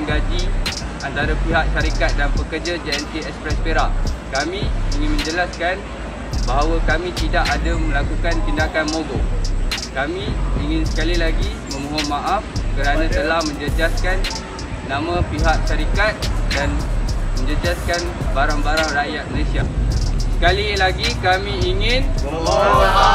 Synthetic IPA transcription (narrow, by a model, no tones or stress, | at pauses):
ŋɡad͡ʒi | ant̪aɾapiɦaʔʃaɾikat̪̚danpəkərd͡ʒad͡ʒaɛnt̪iɛkspɾɛspeɾaʔkamĩiŋɪ̃nmə̃ɲd͡ʒəlaskan | baɦawakamĩt̪idaʔadamə̃lakukant̪indakanmõɡɔ | kamĩiŋɪnsə̥kalilaɡimə̃mõɦɔnmãʔafkəɾanãt̪əlahmə̃ɲd͡ʒəd͡ʒaskanː | ãmãpiɦaʔʃaɾikat̪̚danmə̃ɲd͡ʒəd͡ʒaskanbaɾaŋbaɾaŋrajat̪̚məlesiasə̥kalilaɡikamĩːŋɪn